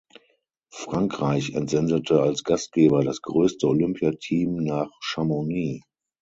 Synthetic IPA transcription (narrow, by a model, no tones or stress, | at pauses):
fʁ̥aŋkʁ̥aɪçɛ̰ntz̥ɛndətʰəalsɡ̥ast̚ɡ̥eːbɐdasɡ̥ʁøːstəolʏmpʰjatʰiːmnaːχʃamoniː